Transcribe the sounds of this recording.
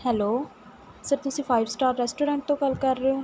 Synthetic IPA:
hɛːloː | səɾt̪ʊsĩːpʰaːɪbsʈaːɾːɛːsʈoːɾɛ̃ːɳʈ̚t̪õːkəlkəɾːeoː

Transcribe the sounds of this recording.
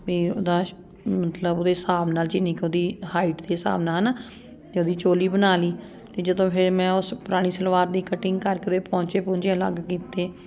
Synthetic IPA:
ʋiːo̰ːd̪aː | mət̪ləboːd̪eːsaːʋnaːld͡ʒɪnẽːkoːd̪iːhaːiʈd̪eːsa̰ːʋnaːɦənː | t̪eːoːd̪iːt͡ʃoːliːbənaːliː | t̪eːd͡ʒəd̪õːpʰɪɾmɛ̃ːʊspʊɾaːɽ̃iːsəlʋaːɾd̪iːkəʈɪŋɡkəɾkeoːd̪eːpɔ̃ːɲt͡ʃeːpʊ̃ːnd͡ʒãlə̰ɡkiːt̪eː

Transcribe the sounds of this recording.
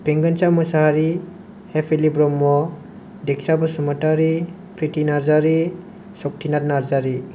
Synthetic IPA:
piŋɡansamɔsaɦaɾi | hepʰilibɾɔmːɔ | dek̚sabɔsɔmataɾi | pɾitinaɾzaɾi | sɔk̚tʰinat̚naɾzaɾi

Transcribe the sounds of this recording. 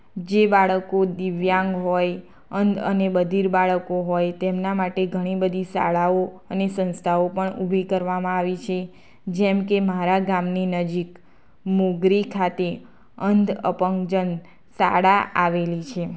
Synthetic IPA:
d͡ʒebaɭəkod̪iʋjãŋɡɦɔj | ənd̪ʱə̰nebəd̪ʱiɾbaɭəkoɦɔjt̪emnamaʈeɡʱəɽ̃ibəd̪ʱisa̰ɭaoənesə̃nst̪ʰaopəɳubʱikəɾʋamãaʋit͡ʃʰe | d͡ʒɛmkemaɾaɡamninəd͡ʒik | moɡɾikʰat̪e | ənd̪ʱə̰pəŋkd͡ʒən | sa̰ɽaaʋelit͡ʃʰe

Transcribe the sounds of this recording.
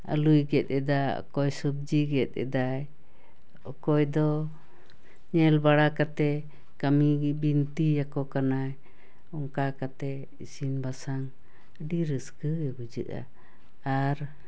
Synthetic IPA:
a̰lujɡɛt̪̚ɛd̪aɔ̰kɔjsub̚d͡ʒiɡɛt̪̚ˀɛ̰d̪aj | ɔkɔjd̪ɔ | ɲɛlbaɽakat̪ɛ | kamibint̪ijakɔkanaj | ɔŋkakat̪ɛ | isinbasaŋ | ɖiɾəskəɛbud͡ʒə̰ʔa̰ | aɾ

